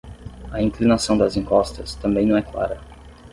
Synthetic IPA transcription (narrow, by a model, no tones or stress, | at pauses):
ɐĩŋklinasɐ̃w̃d̪ɐzĩŋkɔst̪ɐst̪ɐ̃mbẽj̃nɐ̃w̃ɛkla̰ɾɐ̰